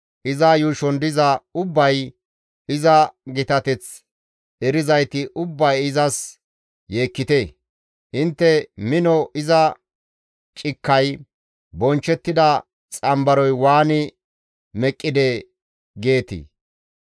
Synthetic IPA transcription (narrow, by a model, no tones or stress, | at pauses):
ʔɪzɐjuːʃɔnd̪ɪzɐʊbːɐj | ɪzɐɡɪt̪ɐt̪ɛt͡s | ɛɾɪzɐjt̪ɪʔʊbːɐjɪzɐs | je̞ːkːɪt̪e | hɪnt̪ːɛmɪnɔʔɪzɐ | t͡ʃʼɪkːɐj | bɔnt͡ʃːɛt̪ːɪd̪ɐ | t͡sʼɐmbɐɾɔjwaːnɪ | mɛkʼːɪd̪ɛ | ɡe̞ːt̪ɪ̰